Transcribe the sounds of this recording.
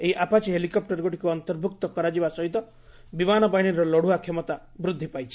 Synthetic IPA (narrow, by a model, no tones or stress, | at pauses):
eɦiʔapat͡ʃiɦelikɔp̚ʈɔɾɡoʈi̥kuɔnt̪ɔɾbʱukt̪ɔkɔɾad͡ʒibasɔɦit̪ɔ | bimanɔbaɦiɽ̃iɾɔlɔɽ̤uakʰemɔt̪a | bɾud̪ʱːipajt͡ʃʰi̥